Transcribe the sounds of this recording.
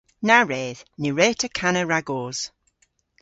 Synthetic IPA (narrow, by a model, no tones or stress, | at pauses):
naɹɛːðniɹɛːtʰəkʰanəɹaɡoːz̥